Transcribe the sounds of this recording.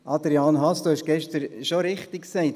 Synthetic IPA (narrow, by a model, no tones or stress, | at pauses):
ʔɑd̪ɾiɑːnɦɑsd̥uhɛʃɡ̥ɛʃtəɾʃoɾɪχtɪkksɛɪt